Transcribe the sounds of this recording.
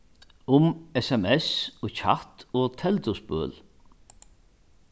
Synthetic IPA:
ʊmɛsɛmɛsɔça̰t̪ɔːt̪ʰɛlt̪ʊspø̰ːl

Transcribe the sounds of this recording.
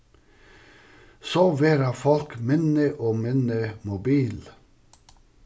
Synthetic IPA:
soːʋeːɾɑfɔlkmʏnəʔoːmʏnəmʊbiːl

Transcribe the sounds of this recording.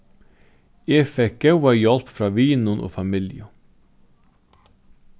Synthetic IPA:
eːfɛk̚əʊʋɑːjɔlpfɾɑːʋiːnʊnʔo̰ːfɑmɪljə

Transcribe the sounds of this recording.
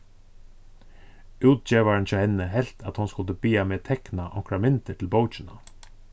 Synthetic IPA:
ʉːt̪̚t͡ʃɛːʋaɹɪnt͡ʃʰɔːhɛnːəɦɛl̥t̪ʰa̰t̪hʊnskʊlt̪əbiːameːt̪ʰɛknaʔɔkɾamɪnt̪əʈʰɪlbowt͡ʃɪna

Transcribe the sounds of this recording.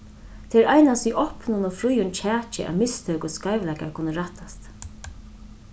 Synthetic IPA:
t̪ʰɛɾʔajnast̪iʔɔhpnʊnɔfɾujʊnt͡ʃʰæːt͡ʃɪ̰ʔæ̰ʋmɪst̪ʰœːkʊskajʋlɛjka̰ɹkʰʊnəɾaht̪ast̪

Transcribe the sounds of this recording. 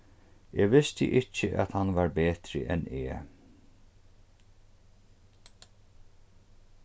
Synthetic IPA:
eːʋɪst̪ɪ̰ʔɪcːəʔa̰t̪hanʋaɹbeːt̪ɾɪ̰ʔɛneː

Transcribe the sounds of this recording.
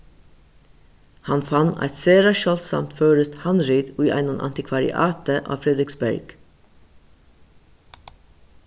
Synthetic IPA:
hɑnfɑnæ̰ɪt̪seːɾɑʃœlt̪sɑ̰mt̪føːɹəst̪hɑnɾiːd̪ʉːʔæ̰ɪnənʔɑ̰nt̪ɪkʰʋɑɹɪ̰ʔɑ̰ːt̪əʔɑ̰ːfɾɛd̪ɾɪksbæ̰ɹɡ̥

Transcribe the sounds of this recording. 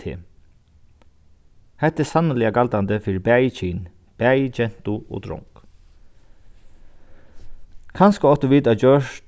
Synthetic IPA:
ɪ̰ | hɛht̪ːɛsanːəlɪaɡalt̪ant̪əfɪːɾɪbæːjt͡ʃʰiːn | b̥æːjd͡ʒɛn̥t̪uɔ̰d̪ɾɔ̰ŋk | kʰanskəɔht̪ɔʋiːt̪ad͡ʒœʂt̪

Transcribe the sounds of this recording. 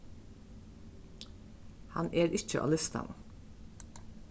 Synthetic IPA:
hɑ̰neːɾɪçəʔɑ̰ːlɪst̪ɑ̰n

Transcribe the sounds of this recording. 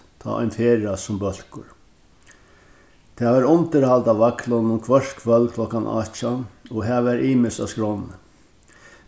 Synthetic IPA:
t̪ʰɑ̰ːʔa̰ɪnt̪ʰeːɹasʊmbœl̥kʊ̰ɾ | t̪ʰæːʋæːɾʊnt̪əɾhalt̪aʋaklɔnʊmkʰʋœʂkʰʋœlkʰlɔkanʔɑ̰ːt͡ʃanɔɦɛːʋæɾʔiːmɪsa̰skɾɔnə̰

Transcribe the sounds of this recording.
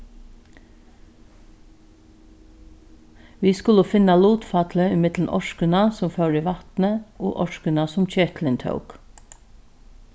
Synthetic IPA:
ʋiːskʊləfɪnːɑluːt̪fɑt̪ləɪmɪt̪ln̩ʔɔ̰ʃkənɑsʊmfœɹiːʋɑt̪nəʔo̰ːʔɔʃkənɑsʊmc͡çɛːt̪lɪnt̪ʰœ̰ʊk

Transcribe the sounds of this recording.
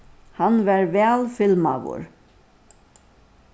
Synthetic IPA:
hanʋɛɾʋɛːlfɪlma̰ʋʊ̰ɹ

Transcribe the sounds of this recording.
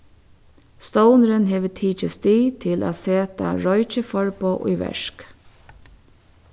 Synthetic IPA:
st̪oʊnəɾənɦeːʋət̪ʰiːt͡ʃəst̪iːt̪ʰɪlʔa̰ːseːt̪ɑ̰ɹɔʏt͡ʃəfɔɹpoːʔuːʋɛ̰ʃk

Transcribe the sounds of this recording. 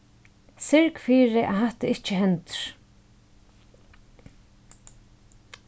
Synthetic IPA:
sɪɹkfiːɾɪʔa̰ɦaht̪aɪht͡ʃɪɦɛnt̪ɾ̥

